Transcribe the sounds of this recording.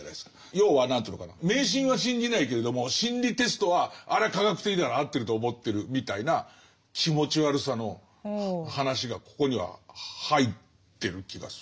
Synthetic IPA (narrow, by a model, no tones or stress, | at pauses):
na̰ieskḁ | jo̞ːβanãnt̪ɯnokana̰me̞ːɕ̬ĩɰ̃βaɕ̬ĩɲd͡ʑinaike̞ɾe̞d̪o̞mo̞ɕĩnɾʲit̪e̞sɨ̥t̪o̞βaaɾekaɡakɯ̟̥t̪e̞kʲinaaɾaːt̪ːe̞ɾɯ̟t̪oːmo̞t̪ːe̞ɾɯ̟mʲit̪aina | kʲʰimo̞t͡ɕiβaɾɯ̟sano̞ | hanaɕiɡako̞̥ko̞ɲ̟iβa̰hait̪ːe̞ɾɯ̟kʲiɡa̰sɨ